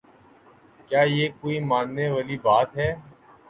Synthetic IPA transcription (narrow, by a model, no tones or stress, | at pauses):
kjaːjeːkoːiːmãːnneːʋaːlibaːt̪ɦɛː